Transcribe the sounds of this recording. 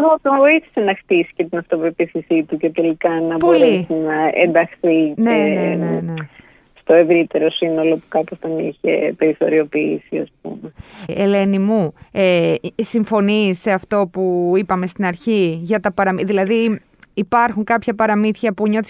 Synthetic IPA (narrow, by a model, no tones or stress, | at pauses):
ðot̪ooiθi̥senɐxt̪isi̥ce̞t̪inɐft̪opɾopiθisit̪uce̞t̪e̞likɐnɐbpoolɾeisinɐḛnd̪ɐxθineeneene | st̪o̞e̞vɾit̪e̞ɾo̞sino̞lo̞pukɐposθɐniçḛpe̞ɾiθo̞ɾio̞piisiɐ̰sp̚ṵmeele̞nimuesiɱfo̞nise̞ɐft̪o̞puipɐme̞st̪inɐɾçiʝɐt̪ɐpɐɾɐmiðilɐði | ipɐɾxuŋkɐpçɐpɐɾɐmiθçɐpuɲo̞t̪i